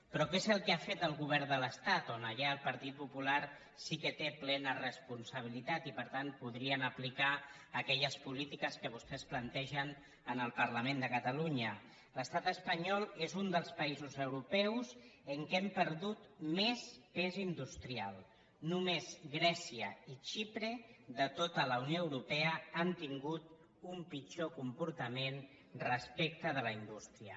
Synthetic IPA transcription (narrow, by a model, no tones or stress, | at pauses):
pɾɔkezəlˠkeafet̪əlˠɣuβɛɾd̪ələst̪at̪onəʎaəlˠpəɾt̪it̪̚pupulaɾ | sikət̪eplɛnərəspunsəβ̞ilit̪at̪ipəɾt̪anpuðɾiənəplika | əkɛʎəspulit̪ikəskəβ̞ust̪ɛsplənt̪ɛʒən | ənəlˠpəɾləmend̪əkət̪əluɲə | ləst̪at̪əspəɲɔlˠezund̪əlˠspəizuzəwɾupɛwzəŋkɛmpəɾðut̪mespezind̪ust̪ɾialˠ | numezɣɾɛsiəit͡ʃipɾəðət̪ot̪ələunjoəwɾupɛəant̪iŋɡut̪ | umpid͡ʒokumpuɾt̪əmen | rəspek̚t̪əðələind̪ust̪ɾiə